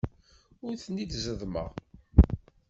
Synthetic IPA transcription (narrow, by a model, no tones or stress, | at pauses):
ʊɾθənit͡s̪zəðmə̰ʁ